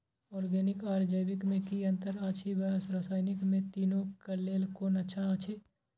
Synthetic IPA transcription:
ɔːɾɡɛːnɪkaːɾd͡ʒəjbɪkmẽkiə̃nt̪əɾat͡ʃʰibəsɾasaːɪnɪkmẽt̪iːnokəleːlkoːnətːʃʰaət͡ʃʰe

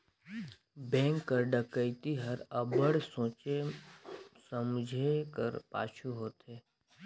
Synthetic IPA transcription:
bɛ̃ːŋkːəɾɖəkəɪt̪iɦɐɾəbəɽsõːt͡ʃe | səmd͡ʒʱekə̰ɾpa̰ːt͡ʃʰuɦoːt̪ɦeː

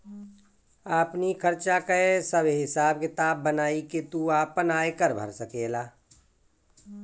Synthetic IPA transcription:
aːpnikʰəɾt͡ʃakəesəbɦɪsaːb̚kɪt̪aːbːənaːiket̪uaːpənaːekəɾbʱə̰ɾsəkeːlaː

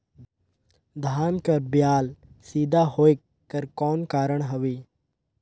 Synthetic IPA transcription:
d̪ʱaːnkɐɾbjaːl | siːd̪ʱaɦoːe | kəɾkɔːnkaːɾəɽ̃ɦɐʋiː

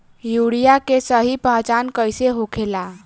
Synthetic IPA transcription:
juɽijakesəɦipəɦt͡ʃankəjseɦokʰela

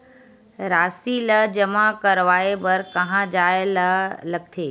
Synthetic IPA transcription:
ɾaːsiləd͡ʒəmakəɾʋaːebɐɾkɐɦãd͡ʒaːelələɡ̚t̪ʰeː

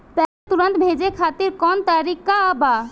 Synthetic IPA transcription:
pɛk̚t̪uɾənt̪bʱed͡ʒekʰat̪iɾkɔnt̪aɾikaba

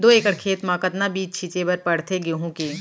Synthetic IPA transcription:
d̪oːeːkəɽkʰeːt̪mãːkət̪nabiːt͡ʃt͡ʃʰit͡ʃebɐɾpɐɽ̤t̪ʰeɡeɦũkeː

